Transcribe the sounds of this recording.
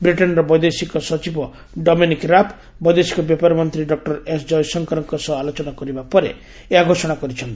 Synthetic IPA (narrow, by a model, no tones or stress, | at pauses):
bɾiʈɔnɾɔbɔjd̪esikɔsɔt͡ʃibɔ | ɖɔminikɾapʰ | bɔjd̪esi̥kɔbjɔpaɾɔmɔnt̪ɾiɖɔk̚ʈɔɾesd͡ʒɔjsɔŋkɔɾɔŋkɔsɔalot͡ʃɔnakɔɾibapɔɾḛ | eaɡʱosɔɽ̃akɔɾit͡ʃʰɔnt̪ii̥